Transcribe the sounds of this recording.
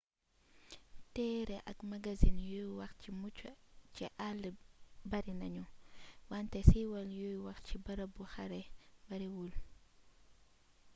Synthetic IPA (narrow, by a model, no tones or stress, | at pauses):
tɛɾɛʔɐ̰kmaɡazinjujwɐxt͡ʃimut͡ʃt͡ʃiʔalbɐɾinɐɲuwantɛsiwɐljujwɐxt͡ʃibɐɾabuxaɾɛbɐɾiwul